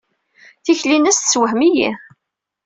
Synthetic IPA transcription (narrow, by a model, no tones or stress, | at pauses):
θiçlinæst̪swəɦmijḭ